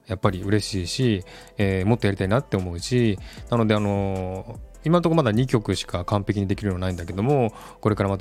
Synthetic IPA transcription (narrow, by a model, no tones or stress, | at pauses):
japːaɾʲiɯ̟ɾe̞ɕiːɕi | eːmo̞t̪ːojaɾit̪ainat̪ːe̞o̞mo̞ɯ̟ɕinano̞d̪e̞ano̞ | imant̪okmad̪aɲ̟ikʲo̞kɯ̟ɕi̥kakãmpekʲiɲ̟id̪e̞kʲiɾɯonaĩnd̪ake̞d̪o̞mo̞ | ko̞ɾe̞kaɾamat̪